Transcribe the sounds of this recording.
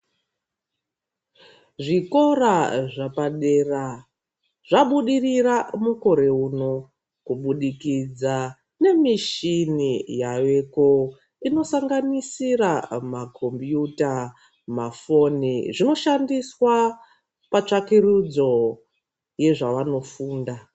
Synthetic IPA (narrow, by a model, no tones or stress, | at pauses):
ʐiko̞ɾaʐapaɗe̞ra | ʐ̥aɓuɗiriramuko̞ɾe̞uno̞ | kuɓuɗikid͡za | ne̞miʃinijaʋe̞ko | ino̞saŋɡanisiramakʰo̞mpjuta | mafo̞niʐino̞ʃandiswa | pat͡ʂakirud͡zo̞ | je̞ʐaʋano̞fuːnda